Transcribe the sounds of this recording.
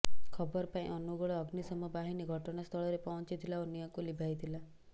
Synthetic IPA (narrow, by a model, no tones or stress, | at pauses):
kʰɔbɔɾɔpaḭ̃ʔɔnuɡɔɭɔːɡnisɔmɔbaɦiniɡʱɔʈɔnast̪ʰɔɭɔɾepɔɦɔ̃nt͡ʃit̪ʰilaonijɔkulibʱajt̪ʰila